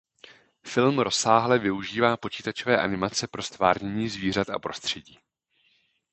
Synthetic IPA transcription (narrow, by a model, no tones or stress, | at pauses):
fɪlmɾʔo̞saːɦlɛvɪuʒiːvaːpo̞t͡ʃiːt̪at͡ʃovɛːʔanɪmat͡sɛpɾo̞st̪vaːrɲɛɲiːzviːr̝at̪ʔa̰pɾo̞st̪r̝̥ɛɟiː